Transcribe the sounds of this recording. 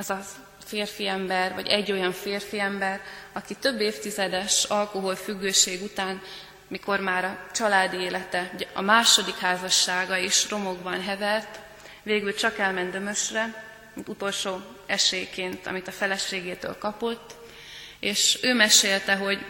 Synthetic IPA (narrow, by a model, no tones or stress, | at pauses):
ɛzɒ | feːrfiɛmbɛrvɒ̰ɟɛ̰ɟːo̞jɒɱfeːrfiɛmbɛrɒkit̪ø̞bːeːft̪izɛd̪ɛʃɒlko̞ɦo̞lfyɡːøːʃeːɡut̪aːn | miko̞rmaːɾɒt͡ʃɒlaːd̪ieːlɛt̪ɛɟɛɒ̰maːʃo̞d̪ikhaːzɒʃːaːɡɒiʃro̞mo̞ɡbɒnɦɛvɛrt̪ | veːɡylt͡ʃɒkɛlmɛnd̪ømø̞ʃrɛ | mint̪ut̪o̞lʃoː | ɛʃeːjkeːnt̪ɒ̰mit̪ɒfɛlɛʃeːɡeːt̪ø̰ːlkɒpo̞t̪ː | eːʃøːmɛʃeːlt̪ɛɦo̞ɟ